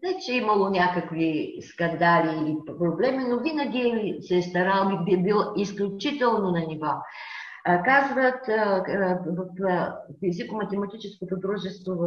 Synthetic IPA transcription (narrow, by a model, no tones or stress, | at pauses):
nɛt͡ʃɛimɐlˠonʲakəkviskɐnd̪aliːpɾoblɛminovinɐɡʲisɛst̪ɐɾalˠbibibilˠisklʲut͡ʃit̪ɛlˠnonɐnʲiva | kazvət̪ | vɐfːizikomɐt̪ɛmɐt̪it͡ʃɛskot̪od̪ɾuʒɛst̪vov